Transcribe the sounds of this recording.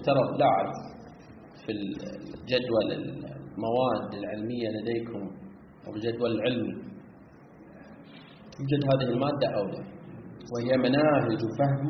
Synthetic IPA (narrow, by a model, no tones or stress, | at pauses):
t̪ɑɾˤɑd̪ˤlaʕɪb | fild͡ʒad̪walɪ̰lmawaːd̪ːalʕɪlmɪjːalad̪eːkʰʊm | ʔa̰wɪld͡ʒad̪walɪlʕɪlmi | t̪ɪbd͡ʒad̪ɦaːðiɪlmaːd̪ːaʔawla̰whɪjːamanaːɦɪd͡ʒwfahm